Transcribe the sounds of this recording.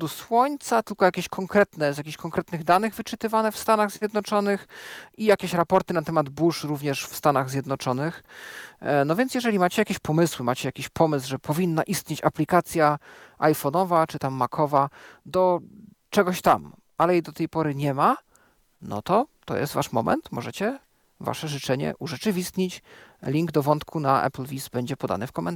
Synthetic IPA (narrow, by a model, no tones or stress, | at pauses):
d̪ɔswɔɲt̪sat̪ɘlkɔjakʲeɕkʰɔŋkɾɛt̪nɛzjakʲeɕkɔŋkɾɛt̪nɘɣd̪anɘɣvɘt͡ʂɘt̪ɘvanɛfst̪anaɣzʲjɛd̪nɔt͡ʂɔnɘxijakʲeɕɾapɔɾt̪ɘnat̪ɛmad̪buʂɾuvɲɛʂfst̪anaɣzʲjɛd̪nɔt͡ʂɔnɘx | nɔvjɛnsjɛʐɛlʲimat͡ɕɛjakʲeɕpɔmɘswɘmat͡ɕɛjakʲeɕpʰɔmɘsʐɛpʰɔvʲinːaʔist̪ʲɲet͡ɕaplʲikat̪sʲjaʔajfɔnɔvat͡ʂɘt̪amːakʰɔvad̪ɔ | t͡ʂɛɡɔɕt̪am | alɛjejd̪ɔt̪ɛjpɔɾɘɲɛma | nɔ̰t̪ɔt̪ɔ̰jʔɛst̪vaʂmɔ̰mʔɛ̰nt̪mɔʐɛt͡ɕɛ | va̰ʂɛʐɘt͡ʂɛɲɛ̰ʔuʐɛt͡ʂɘvʲist̪ɲit͡ɕlʲiŋɡd̪ɔvɔnt̪kʰunaʔɛ̰plvʲisbɛɲd͡ʑɛpɔd̪a̰nɘfkɔmɛ̰nt̪